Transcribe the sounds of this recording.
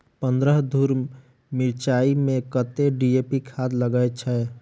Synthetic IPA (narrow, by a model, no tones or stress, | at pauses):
pə̃nd̪ɾəɦd̪ʱuːɾ | mɪɾt͡ʃaːimẽkət̪eɖiepikʰaːd̪ləɡaet͡ʃʰɛ